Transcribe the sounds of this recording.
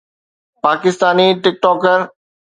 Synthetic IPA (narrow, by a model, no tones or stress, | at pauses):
paːkɪst̪aːniʈɪk̚ʈɔːkəɾ